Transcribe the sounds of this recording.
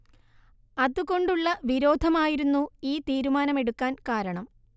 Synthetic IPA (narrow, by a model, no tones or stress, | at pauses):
ɐðuɣo̞ɳɖuɭːɐʋiɾo̞ːd̪ʱɐmaːjiɾunːuiːt̪iːɾumaːnɐme̞ɽukːaːnkaːɾɐɳɐm